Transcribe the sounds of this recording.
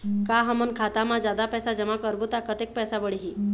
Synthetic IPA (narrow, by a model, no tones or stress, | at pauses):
kaɦəmənkʰat̪amad͡ʑad̪apɛsad͡ʑəmakəɾbut̪akət̪ek̚pɛsabəɽiɦi